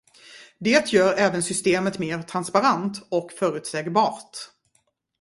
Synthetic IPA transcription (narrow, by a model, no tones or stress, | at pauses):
d̪eːt̪jœːɾɛːvənsʏst̪eːmət̪meːɾt̪ʰɾanspaɾant̪ɔkfœːɾʉ̟ːt̪sɛːɡbɑːɾt̪